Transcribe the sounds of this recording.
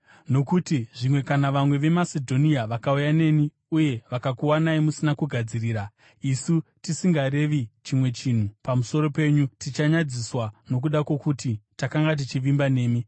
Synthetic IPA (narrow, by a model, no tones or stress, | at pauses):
no̞kutiʐimwe̞kanaʋamwe̞ʋe̞masedʱo̞niaʋakaujane̞ːni | uje̞ʋakakuwanaimusinakuɡʱad͡ziriːɾa | isutisiŋɡaɾe̞ʋit͡ʃimwe̞t͡ʃin̤upamuso̞ɾo̞pe̞ɲutit͡ʃaɲad͡ziswano̞k̬uɗakwo̞kutitakaŋɡat̬it͡ʃiʋimbane̞ːmi